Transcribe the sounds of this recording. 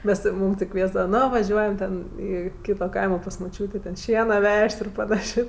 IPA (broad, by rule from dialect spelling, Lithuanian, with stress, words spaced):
ˈmʲɛs ˈmuːm tʲɪ ˈkʋʲiɛzdɐʋɐ ˈnoː ʋɐˈʒʲuɔjɛm ˈtʲɛn ˈiː ˈkʲiːtoː ˈkɐɪmoː pɐs mʊˈt͡ʃʲuːtʲeː tʲɛn ˈʃʲiɛnɐ ˈʋʲɛʃʲtʲ ɪr pɐˈnɑːʃʲeː